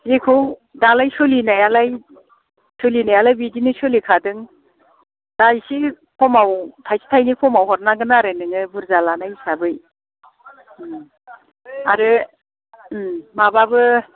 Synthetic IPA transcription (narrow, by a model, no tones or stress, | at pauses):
zekʰɯwdalajsolinajalaj | solinajalajbidinɯsolikʰadɯŋ | daisi | pʰɔmawtʰajsi̥tʰajnikʰɔmawhɔɾnaɡɯnaɾenɯŋɯbɯɾzalanajsabɯj | aɾɯ | mababɯ